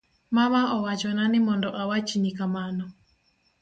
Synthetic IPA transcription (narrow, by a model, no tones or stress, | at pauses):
mamaɔwat͡ʃɔnanɪmɔndɔʔawat͡ʃiɲikamanɔ